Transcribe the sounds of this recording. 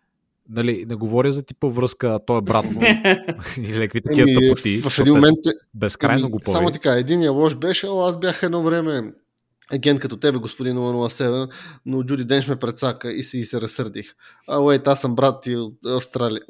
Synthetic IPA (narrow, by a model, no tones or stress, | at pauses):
nɐlinɛɡovɔɾʲəzɐt̪i̥pəvɾɤskəːt̪ɔɛbɾat̪nno | ilɛkvit̪ɐkiəit̪ivɐfɛd̪inmomɛnt̪ːbɛskɾajnoɡopsɔamot̪ɐ̥kaɛd̪inːijəlˠɔʃbɛʃɛoazbjaxɛd̪nɔvɾɛmɛ | ɐɡʲɛnt̪kɐt̪ɔt̪ɛbɛɡospʊd̪inomanoəsɛvɛnnod͡ʒud̪id̪ɛnxmɛpɾɛt̪sakəisɛɡisɛɾɐsɤɾd̪ix | awɛjt̪asɐmbɾat̪ːiot̪ɐfst̪ɾaliə